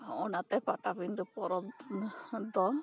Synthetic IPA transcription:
ɔnat̪ɛpatapind̪upɔɾɔ | d̪ɔn

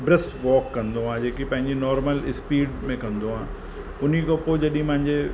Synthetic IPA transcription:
bɾɛsʋɔːkːɐ̃nd̪oɦãːd͡ʑeːkipɐ̃ɦɪ̃ɲd͡ʑenɔːɾməlɪspiːɖmẽkɐ̃nd̪oɦãː | ʊn̤ikopod͡ʑɐɗiĩpɐ̃ɦɪ̃ɲd͡ʑe

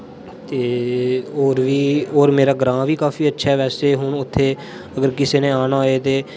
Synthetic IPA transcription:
t̪eːoːɾʋiːoːɾmeːɾaːɡɾãːʋiːkaːfiːətːʃʰaɛːʋɛːseːɦʊɳʊt̪ʰːeː | əɡəɾkɪseːnẽːaːnaːoeːt̪eː

